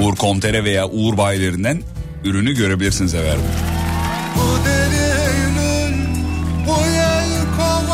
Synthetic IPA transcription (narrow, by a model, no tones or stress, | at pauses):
uɾkʰo̞nt̪ʰe̞ɾɛve̞jaːʔuuɾbaːjlʲˠe̞ɾind̪æn | yɾynyɟø̞ɾe̞bilʲiɾsinizɛvæ̰ɾbṵ | bud̪elijynyɾbujaj | kʰo